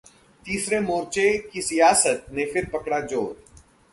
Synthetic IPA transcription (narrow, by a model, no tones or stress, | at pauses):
t̪iːsɾemoːɾt͡ʃekisijaːsət̪̚nefɪɾpɐkɽad͡ʒoːɾ